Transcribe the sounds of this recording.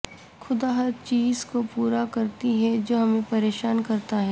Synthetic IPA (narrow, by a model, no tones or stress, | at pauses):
xʰʊd̪aːɦɐɾt͡ʃiːzkopuːɾakɐɾt̪iɦɛd͡ʒoːɦɐmẽpɐɾeːʃaːnkɐɾt̪aɦɛː